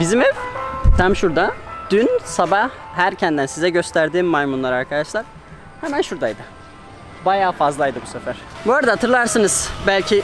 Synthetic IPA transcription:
bizimɛt̪ʰamʃuɾd̪ad̪̥ynsabahhæɾcʰænd̪ænsizɛɟø̞st̪ʰæɾd̪iːmːajmunlˠaɾaɾkʰad̪aʃlˠaɾ̥ | hɛmænʃuɾd̪ajd̪ɯ | bajaːfazlˠajd̪ɯbusefæɾ̥buaɾad̪aɦat̪ʰɯɾlˠaɾsɯnɯz̥bælʲcʰi

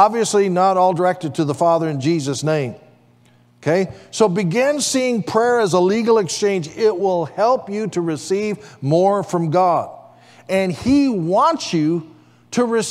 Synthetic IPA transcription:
ɑbviɨslinəɾɔlˠdə˞ɛk̚tɨd̚tʰɨðəfɑðə˞ɨ̃nd͡ʒizɨsnẽɪ̃m | okʰeɪsoʊbɨɡɪ̃nsiɪ̃ŋpʰɹ̥ɛɹɨzəliɡl̩ˠɨkst͡ʃẽɪ̃nd͡ʒɪt̚wɪlˠhɛlˠpjɨɾɨɹɨsivmɔɹfɹʌ̃mɡɑɾ | ɨ̃niwɑ̃nsjɨ | ɾɨɹɨs

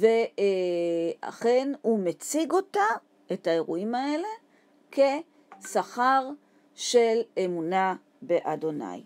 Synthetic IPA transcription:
ve | a̰χe̞nhumet͡siɡo̞ta | etae̞ʁuimae̞le̞ | kʰe̞ | saχaʁ | ʃe̞lemuna | be̞ʔado̞na̰j

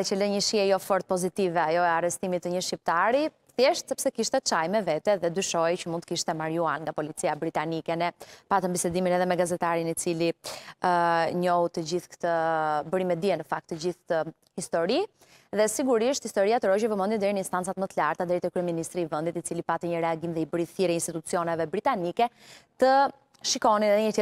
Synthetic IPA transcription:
ɛt͡ʃəlɛɲəʃiɛjɔfɔɾt̪̚pɔzit̪ivɛajɔɛarɛst̪imit̪ːəɲəʃip̚t̪aɾi | θjɛʃt̪sɛpsɛkiʃt̪ɛt͡ʃajmɛvɛt̪ɛðɛd̪yʃɔjcəmunt̪əkiʃt̪ɛmaɾjuanŋɡapɔlit͡siabɾit̪anikɛnɛpat̪əmbisɛd̪iminɛðɛmɛɡazɛt̪aɾinit͡siliəɲɔut̪əd͡ʑiθkə̥t̪əbəɾimɛd̪iɛnəfak̚t̪ːəd͡ʑiθt̪ə | hist̪ɔɾi | ðɛsiɡuɾiʃt̪hist̪ɔɾiat̪əɾɔd͡ʑəvəmənd̪ind̪ɛɾinəinst̪ant͡sat̪mət̪əlaɾt̪ad̪ɛɾit̪əkɾyɛminist̪ɾiːvənd̪it̪it͡silipat̪ɛɲəɾɛaɡimðɛibəɾiθiɾɛinst̪it̪ut͡siɔnɛvɛbɾit̪anikɛ | t̪ə | ʃikɔniɛðɛɲət̪ɛ

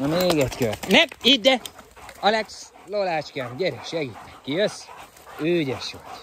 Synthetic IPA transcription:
meːɡɛt̪kørnɛid̪d̪ɛɒlɛks | lolaːt͡ʃkɛnɟɛɾɛʃɛɡit̪ːɛ̥kkːijøs | øːɟɛʃot̪

